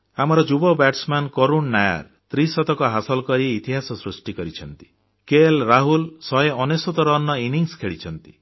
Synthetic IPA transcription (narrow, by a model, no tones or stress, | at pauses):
amɔɾɔd͡ʒubɔbaʈsmankɔɾunːaja̰ɾ | t̪ɾisɔt̪ɔkɔɦasɔlɔkɔɾiːt̪iɦasɔsɾusʈikɔɾit͡ʃʰɔnt̪i̥ | kelɾaɦulsɔɦeɔnesot̪ɔɾɔnːɔiniŋskʰeɭit͡ʃʰɔnt̪i